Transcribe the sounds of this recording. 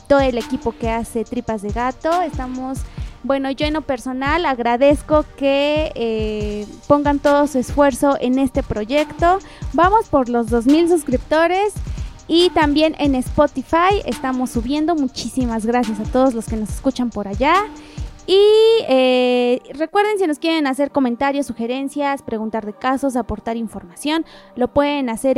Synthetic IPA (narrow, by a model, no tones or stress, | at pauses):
t̪o̞ðoele̞kipo̞keaset̪ɾipazðeɣat̪oest̪amosbwe̞noʝoenopeɾso̞nalaɣɾaðeskokee | po̞ŋɡant̪oðosuesfwe̞ɾso̞ʔene̞st̪e̞pɾoʝe̞kt̪o | bamo̞spoɾlozðo̞z̬mils̬uskɾipt̪o̞ɾesit̪ambje̞nʔe̞nespot̪ifajḛst̪amo̞sːuβje̞nd̪o̞mut͡ʃisimazɣɾasjasat̪o̞ð̞o̞zlo̞ske̞no̞seskut͡ʃampo̞ɾaʝa | iere̞kwe̞ɾðe̞nsino̞skjeɾenase̞ɾko̞mẽnt̪aɾjo̞sːuxe̞ɾe̞nsjaspɾe̞ɣunt̪aɾðe̞kaso̞s̬apo̞ɾt̪aɾiɱfo̞ɾmasjo̞nlo̞pwe̞ðenase̞ɾ